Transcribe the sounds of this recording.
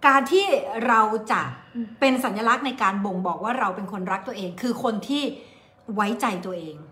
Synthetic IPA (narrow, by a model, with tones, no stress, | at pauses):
kaː˧nt̪ʰiː˥˩ɾa˧wt͡ɕa˨˩ʔpe˧nsa˨˩˦njaː˧la˦˥k̚na˧jkaː˧nbo˧˩ŋbɔː˨˩k̚waː˥˩ɾa˧wpe˧nkʰo˧nɾa˦˥k̚t̪u˧˩ɐʔeː˧ŋkʰɯː˧kʰo˧nt̪ʰiː˥˩ | wa˦˥jt͡ɕa˧jt̪u˧ɐʔeː˧ŋ